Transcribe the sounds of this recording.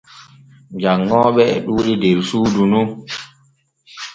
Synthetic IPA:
d͡ʒaŋːɔːɓɛɛ̰ɗuːɗidɛɾsuːdunu

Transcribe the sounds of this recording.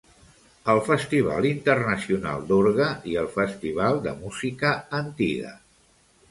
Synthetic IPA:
əlˠfəst̪iβ̞a̰lˠint̪ərnəsiuna̰lˠd̪uɾɣəiəlˠfəst̪iβ̞alˠd̪ə̰muzikəənt̪ḭɣə̰

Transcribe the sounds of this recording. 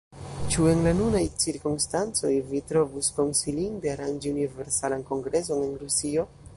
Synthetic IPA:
t͡ʃue̞nlanunajt͡siɾkumstant͡so̞̰jvitɾo̞vusko̞nsilindeaɾand͡ʒiunive̞ɾsalanko̞ŋɡɾe̞s̬o̞ne̞nɾusio̞

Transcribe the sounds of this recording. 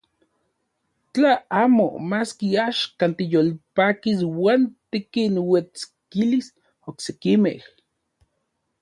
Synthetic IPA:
t͡ɬaaːmo̰maskiaʃkant̪ijolpaːkiswaːnt̪ikinwet͡skilis | oksekimḛh

